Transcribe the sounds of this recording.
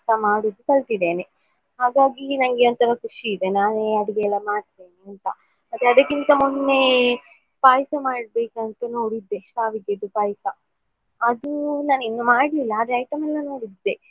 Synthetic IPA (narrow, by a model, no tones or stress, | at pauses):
sɐmaːɽud̪ːukɐɭt̪id̪eːne | ɦaːɡaːɡinɐŋɡeont̪ɐɾɐkuʂiːd̪enaːneɐɽiɡeɛlːɐmaːɽt̪eːniɐnt̪ɐ | mɐt̪ːeɐd̪ɐkint̪ɐmunːe | paːjsɐmaːɽbeːkɐnt̪ɐno̞ːɽid̪ːeʃʋaːʋiɡed̪upaːjsɐ | ɐd̪unaːninːumaːɽlilːɐːd̪ɾɐjʈɐmɛlːɐno̞ːɽid̪ːe